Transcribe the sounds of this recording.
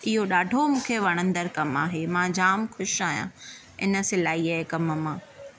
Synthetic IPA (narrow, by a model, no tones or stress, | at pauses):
ɪɦoɗaːɖʱomũːkʰeʋɐɽ̃ə̃nd̪əɾkɐmaːɦemãd͡ʑaːmxʊʃaːɦijã̰ | ɪ̰nə̆sɪlaːiaːɦekɐmmãː